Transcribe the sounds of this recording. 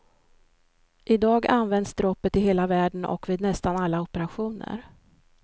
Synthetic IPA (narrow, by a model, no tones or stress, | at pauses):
ʔɪd̪ɑːɡa̰nvɛnd̪sd̪ɾɔpːət̪ɪɦeːlavæːɖnʔɔ̰kviːd̪nɛst̪analːaɔpəɾaɧuːnə̰ɾ